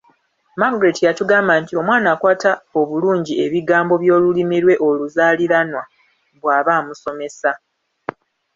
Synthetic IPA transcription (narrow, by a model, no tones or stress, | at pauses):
maɡɾetijatuɡaːmbantio̞mwaːnaːkwaːtao̞βuluːɲɟie̞βiɡaːmbo̞βjo̞ːlulimiɾwe̞ʔo̞luzaːliɾanwa | βwaːβaːmuso̞me̞sa